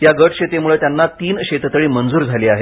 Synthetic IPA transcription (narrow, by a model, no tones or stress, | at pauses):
jaɡəʈɕet̪emuɭət̪janːat̪iːnɕet̪t̪əɭiːmənd͡zuːɾd͡zʱaliːaɦe